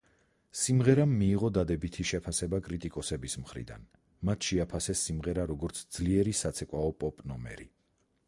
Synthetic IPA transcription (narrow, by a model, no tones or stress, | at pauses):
simʁɛɾamːiːʁɔd̪ad̪ɛbit̪ʰiʃɛpʰasɛbakʼɾit̪ʼikʼɔsɛbismχɾḭd̪a̰n | mat̪ʰʃɛapʰasɛsːimʁɛɾaɾɔɡɔɾt̪sʰd̪zliɛɾisat̪sʰɛkʼwaɔpʼɔpʼnɔmɛ̰ɾḭ